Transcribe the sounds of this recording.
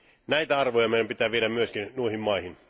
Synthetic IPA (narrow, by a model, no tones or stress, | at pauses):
næit̪æɑrʋojɑmeˑidæmpit̪æːʋieɾæmmyøskinnuihimmɑihin